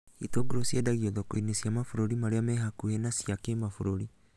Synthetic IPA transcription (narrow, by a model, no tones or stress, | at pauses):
itoɡoɾosjedaɣiɔðɔkoinesjamafuɾoɾimaɾeamɛɦakuhenasiakemafuɾoɾi